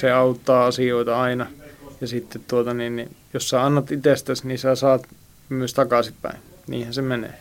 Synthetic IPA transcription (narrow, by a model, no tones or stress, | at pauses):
seɑut̪ːɑːɑsioit̪ɑɑinɑjɑsit̪ːet̪t̪uot̪ɑninnijossɑɑnːɑt̪it̪eˑst̪æsniːsæsɑːt̪ | myøst̪ɑkɑˑsippæ̰inniːhænsemenḛː